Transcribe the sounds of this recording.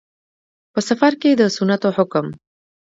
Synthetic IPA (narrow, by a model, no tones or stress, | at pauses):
pəsafaɾked̪əsʊnat̪oħʊkm